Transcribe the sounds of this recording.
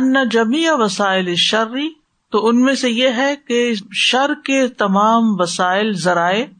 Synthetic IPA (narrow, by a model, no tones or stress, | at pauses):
ɐnːad͡ʒɐmiːʋɐsaːɪlɪʃɐɾːi | t̪oʊnmẽsejeɦɛkeʃɐɾket̪ɐmaːmʋɐsaːɪlzɐɾaːe